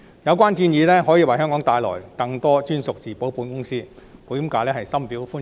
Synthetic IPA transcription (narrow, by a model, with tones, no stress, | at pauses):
jɐ˨˧wk̬ʷaː˥nt̪iː˧njiː˨˧lɛː˥ɦɔː˨˥jiː˧wɐ˨jɦœː˥ŋkɔː˨˥ŋt̪aː˧jlɔ̰ː˨˩jkɐ˧ŋt̪ɔː˥t͡ʃyː˥nsʊ˨k̚t͡siː˨˩po˨˥wpuː˨˥nkʊ˥ŋsiː˥ | puː˨˥ji˨˥mkaː˧lɛː˥˩hɐ˨jsɐ˥mpiː˨˥wfuː˥